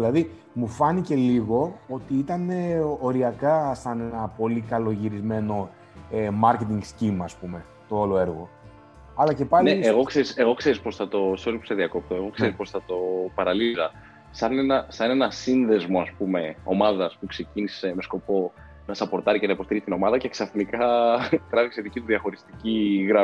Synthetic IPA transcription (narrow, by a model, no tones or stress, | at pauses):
ilɐði | mufɐnice̞liɣo̞ot̪iit̪ɐne̞o̞ɾiɐkɐsɐne̞nɐpo̞likɐlo̞ʝiɾizme̞no̞ | emɐɾce̞t̪iŋɡscimɐspume̞ | t̪oolo̞e̞ɾɣo̞ | ɐlɐce̞pɐlneeɣo̞kseɾise̞ɣo̞kse̞ɾisposθɐt̪o̞seo̞lipu̥sɐðiɐko̞p̚t̪oeɣo̞kse̞ɾispo̞sθɐt̪o̞pɐɾɐlizɐ | sɐnenɐsɐne̞nɐsinðe̞zmoɐspume̞o̞mɐðɐspukse̞cinise̞me̞sko̞po̞ | nɐsɐpo̞ɾt̪ɐɾicenɐipo̞st̪iɾit̪ino̞mɐðɐce̞ksɐθnikɐt̪ɾɐvikseðicit̪uðiɐxo̞ɾist̪iciɣɾɐ